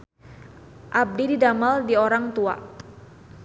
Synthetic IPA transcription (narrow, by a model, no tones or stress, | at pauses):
ʔab̚dididamaldioɾaŋt̪ua̰